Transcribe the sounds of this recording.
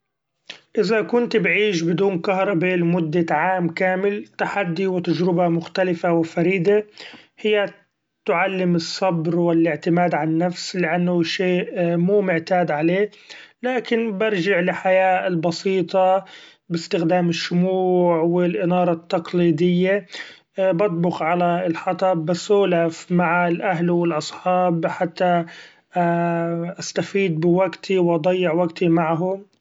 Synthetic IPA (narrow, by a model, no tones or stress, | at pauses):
ʔɪzakʊnt̪bʕiːʃbɪd̪uːnkahɾˤɑbelmʊd̪ːaʕaːmkaːmɪlt̪aħad̪ːiwɪt̪ad͡ʒɾɪbamʊxt̪alɪfawɪfaɾiːd̪ahɪjːa | t̪ʊʕalːɪmɨsˤːɑbɾwɪlʔɪʕt̪ɪmaːd̪ʕannːafslɪʔanːʊʃeːʔmuːmʊʕt̪aːd̪ʕaleː | laːkɪnbɑɾˤd͡ʒaʕlɪħajaːlbɑsiːt̪ˤɑ | bɪst̪ɪxd̪aːmɪʃːʊmuːʕwɪlʔɪnɑːɾˤɑt̪ːɑqliːd̪ɪjːa | bɑt̪̚ˤbʊqʕalaɪlħɑt̪ˤɑbɪsuːlafmaʕalʔaɦlwɪlʔɑsˤħɑːbħat̪ːa | ʔast̪afiːd̪̚bɪwaɡt̪ʰiwʔɑd̪ˤɑjːɪʕwaɡt̪ʰimaʕɦʊm